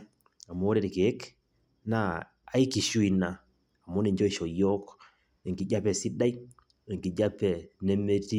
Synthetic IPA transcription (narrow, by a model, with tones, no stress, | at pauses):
a˨mː˦ɾɛ˦ɾi˨ke˨˦k | na˦˨ | a˨˦i˦ki˨ʃu˦i˨naː˨ | mo˦ni˨ɲd͡ʒɔ˦i˨ʃɔ˨jɔ˦k | e˨ŋki˨d͡ʒa˦pɛ˨si˦da˦i˦ | e˨ŋki˨d͡ʒa˦pɛ˨ne˦me˦ti˦